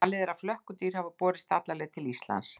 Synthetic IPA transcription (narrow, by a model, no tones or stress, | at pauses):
alɪðɛɾaflœhkʏt̪iːɾ̥havʏpɔːɾɪst̪at̪lalɛɣt̪ʰɪlist̪la̰ns